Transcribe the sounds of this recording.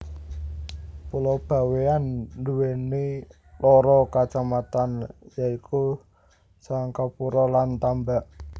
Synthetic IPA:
pulɔb̥a̤weanduwene | lɔɾɔkat͡ʃamat̪anjaiku | saŋkapuɾɔlant̪ambaʔ

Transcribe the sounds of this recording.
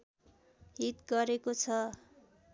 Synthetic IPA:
ɦit̪ɡʌɾekot͡sʰʌ

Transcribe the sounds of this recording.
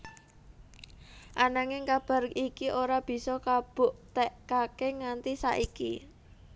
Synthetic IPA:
ʔanaŋɪŋkab̥a̤rikiʔoɾab̥i̤sɔkab̥ʊ̤ʔt̪ɛʔkakeŋant̪isa̰ʔiki

